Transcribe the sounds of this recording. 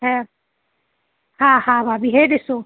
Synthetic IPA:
ɛ | hãhãbʱabiɦed̪esõ

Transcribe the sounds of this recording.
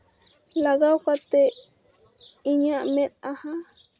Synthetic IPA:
laɡawkat̪e | iɲãʔmẽt̪̚aha

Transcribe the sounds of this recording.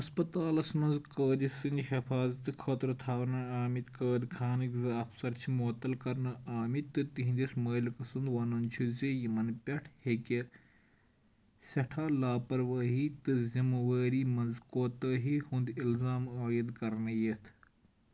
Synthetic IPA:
ɐspɐt̪aːlɐsmɐnzkəːd̪isɨnʲhɐfaːzt̪ɨkʰɐt̪ɾɨt̪ʰaːwnɐaːmit̪kəːd̪ʲkʰaːnɨkʲzɐɐfsɐɾt͡ʃʰimoːt̪ɐlkɐɾnɐaːmit̪ːɨt̪iɦind̪ʲismɐːlkɐsɨnd̪wɐnɐnt͡ʃʰuzʲeːjimɐnpʲɐʈʰhekʲe | sʲɐʈʰaːlaːpɐɾʋɐːɦiːt̪ɨzimɐʋɐːɾiːmɐnzkoːt̪əɦiːhund̪ilzaːmaːjid̪kɐɾnɐjet̪ʰ

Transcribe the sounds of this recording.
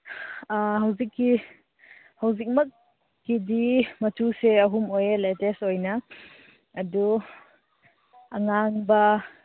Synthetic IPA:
aɦɐwzikːi | hɐwzik̚mɐkː | idimɐtuseɐɦumojletestojnɐː | du | ɐŋaŋbɐ

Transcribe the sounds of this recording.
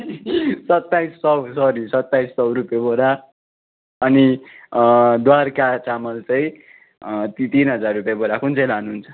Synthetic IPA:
sʌt̪ːajssʌwsʌɾisʌt̪ːajssʌwrupjabʌɾa | ʌni | d̪warkat͡samʌlt͡sʌj̃ | t̪t̪inɦʌd͡zarrupjabʌɾakunt͡sʌjlanuɦunt͡sʰʌ̥

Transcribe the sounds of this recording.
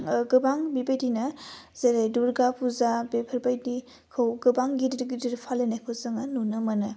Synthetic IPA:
ɡɯbaŋbibajdinɐz̥eɾajduɾɡapʰuzabepʰɐɾbajdi | kʰɯwɡɯbaŋɡidiɾɡidiɾpʰalenakʰɯwzɯŋanunɯmɐnɯ

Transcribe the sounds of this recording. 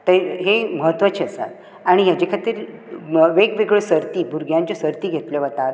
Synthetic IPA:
t̪əɦeməɦət̪ʋat͡ɕʰeəsa̰ | aɽ̃iɦjad͡ʑekʰat̪iːɾ | ʋekʋeɡɭesəɾt̪iːbʱuɾɡʱjãɲt͡ɕɔsəɾt̪iːɡʱet̪ljɔʋət̪aɾ

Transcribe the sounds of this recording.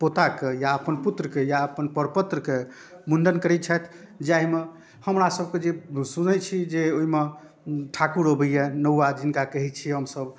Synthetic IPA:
pot̪akejaəpənput̪ɾəkejaəpənpəɾpət̪ɾəke | munɖənkəɾɛt̪t͡ʃʰat̪ʰ | d͡ʒaɦime | həmɾasəb̚ʱked͡ʒesunəjt͡ʃʰid͡ʒeoime | ʈʰakuɾɦəbəjɛnəwad͡ʒinkakəɦit͡ʃʰiɦəmsəb

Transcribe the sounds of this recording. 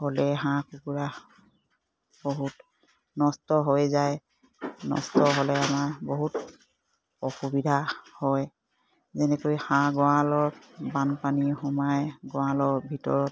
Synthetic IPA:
holɛɦãkukuɹa | boɦut | nɔstɔɦojzaj | nɔ̰stɔɦolɛamaɹboɦut | ɔxubidʱahɔj | zɛnɛkojhãɡɔwãlɔɹ | banpanixɔmajɡɔ̃walɔɹbʱitɔ̰ɹɔt

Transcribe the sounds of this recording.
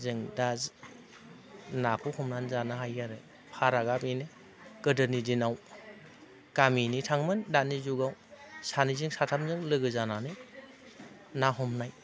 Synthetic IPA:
zɯŋdaz | napʰɔhɔmnanzanaɦajaɾɯ | pʰaɾaɡabejnɯ | ɡ̥ɯdɯnidinaw | kaminitʰaŋmɯndanizuɡawsanizɯŋsatʰamzɯŋlɯɡɯzananɯ | naɦɔmnaj

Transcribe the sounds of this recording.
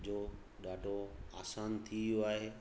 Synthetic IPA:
d͡ʑoː | ɗaːɖʱoaːsaːnt̪ʰiʋijoaːɦeː

